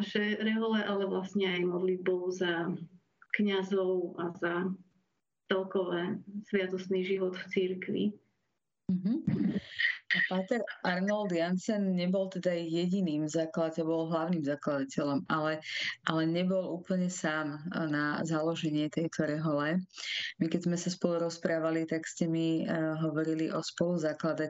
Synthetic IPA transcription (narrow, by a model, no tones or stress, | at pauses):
aʃɛɾɛɦɔlɛʔalɛʋlasɲɛajmɔd̪lid̪̚bɔʊza | kɲazɔʊʔaza | t͡sɛlkɔʋɛːsʋɪat̪ɔsniːʒiʋɔt̪ft͡siɾkʋḭ | m̩ɦm̩ | apaːt̪ɛɾʔaɾnɔld̪jansɛnɲɛbɔlt̪ɛd̪ajɛɟiniːmzaːklacɛbɔlɦlaʊniːmzaklad̪acɛlɔmalɛʔalɛɲɛbɔluːpl̩ɲɛsaːmnazalɔʒɛɲɪɛt̪ɛjt̪ɔɾɛɦɔlɛmikɛzmɛsaspɔluɾɔspɾaːʋalit̪akscɛmiɦɔʋɔɾiliʔɔspɔluzaklad̪a